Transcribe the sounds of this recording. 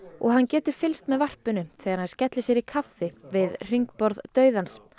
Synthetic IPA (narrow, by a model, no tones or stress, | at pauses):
ɔ̰ɣɦancɛːt̪ʏɾ̥fɪlst̪mɛðvar̥pʏnʏθɛːɣaɾhanscɛt̪lɪsjɛɾikʰafɪvɪðr̥iŋk̚pɔɾðt̪œːɥðans